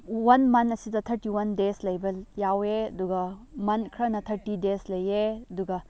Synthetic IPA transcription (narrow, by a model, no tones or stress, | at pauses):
wɐnmɐnɐsidɐt̪ʰɐɾtiwɐndeslejbɐljaweɐduɡɐmɐnkʰɾɐnɐt̪ʰɐɾtideslɐjeɐduɡɐ